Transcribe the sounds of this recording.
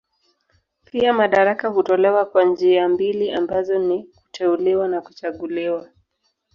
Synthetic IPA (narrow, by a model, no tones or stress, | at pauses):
piamaɗaɾakahutɔlɛwakwand͡ʒiambiliambazɔniku̥tʰɛuliwanaku̥t͡ʃaɠuliwa